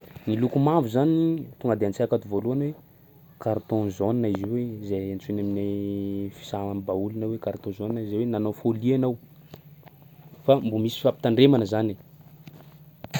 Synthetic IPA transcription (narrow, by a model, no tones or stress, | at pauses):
nilukumavuzanit̪uŋɡad̪eant͡saakat̪uvoluanwe | kaɾt̪õzoninaiziwezeant͡sunaminafi̥sanbaulunawekaɾt̪õzoninazajwenanofolianaw | fambumisi̥fapi̥t̪aɳɖ͡ʐemanəzane